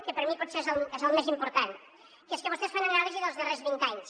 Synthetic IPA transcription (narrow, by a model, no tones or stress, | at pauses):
kepeɾmipɔðseɾzalezalmesimpoɾt̪an | keeskeβost̪esfaɲaŋɾalɾiziðozðereɾzβĩnt̪aɲs